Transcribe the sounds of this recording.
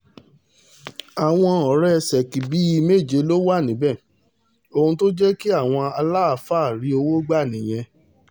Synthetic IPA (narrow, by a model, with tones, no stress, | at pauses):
a˨w̃ɔ̃˧˦ɔ˨˦ɾɛ˦˧sɛ˨ki˨bi˨˦i˧me˦˨d͡ʒe˧˦lo˦wa˦˨nĩ˨˦bɛ̃˦˨ | o˧hũ˧to˦d͡ʒɛ˦ki˦a˦˨w̃ɔ̃˧a˧la˦a˨faː˦˨ɾi˨˦o˧wo˦ɡ͡ba˦˨nĩ˨j̃ɛ̃˧